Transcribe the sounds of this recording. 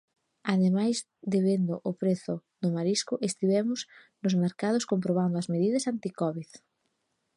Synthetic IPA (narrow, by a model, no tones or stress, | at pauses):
aðemajz | ðeβend̪ʊʔʊpɾeθʊðʊmaɾiskʊʔest̪iβɛmʊs | nʊzmeɾkaðʊskompɾoβ̞and̪ʊɐzmeðiðɐsant̪ikɔβið